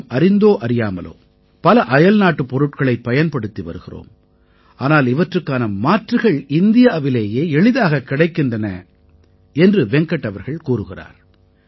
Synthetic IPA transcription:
ɐɾɪnd̪oːʔɐɾɪjaːmɐlo̰ː | pɐlɐʔɐjɐlnaːʈːɯpːɔɾɯʈ̚kɐɭɐɪpːɐjɐnpɐɽɯt̪ːiʋɐ̰ɾɯɣɪro̰ːm | ʔaːnaːlɪʋɐʈrɯkːaːnɐmaːʈrɯɣɐɭɪnd̪ɪjaːʋɪleːjeːɛɭɪðaːɣɐkːɪɽɐɪkːɪndrɐnɐ̰ | ɛndrɯʋɛŋkɐʈːɐʋɐɾɣɐɭkuːrɯɣɪra̰ːɾ

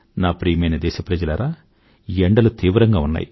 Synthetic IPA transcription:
naːpɾiːmɐjnɐd̪ɛːʃɐpɾɐd͡ʒɐlɐɾaː | ieɳɖɐlut̪iːʋɾɐŋɡaːunːa̰ːji

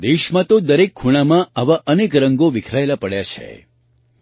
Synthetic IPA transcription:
d̪eʃmãt̪od̪əɾekʰːuɽ̃amãaʋaʔənekɾəŋɡoʋɪkʰɾajlapəɽjat͡ʃʰḛ

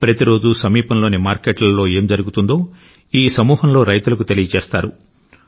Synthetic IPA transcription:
pɾɐt̪iɾo̞ːd͡ʒusɐmiːpɐnlo̞ːnimaːɾkeːʈlɐlːo̞ːe̞ːmd͡ʒɐɾuɡut̪und̪o̞ː | iːsɐmuːɦɐnlo̞ːɾɐjt̪ulɐk̬ut̪elijɐt͡ʃeːst̪aːɾṵ

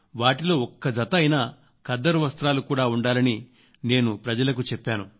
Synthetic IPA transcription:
ʋaːʈilo̞ːɔkːɐd͡ʒɐt̪ɐɐjnɐ | kɐd̪ːɐɾuʋɐst̪ɾaːlukuːɽaːuɳɖaːlɐni | ne̞ːnupɾɐd͡ʒɐlɐk̬ut͡ʃɛpːaːnu

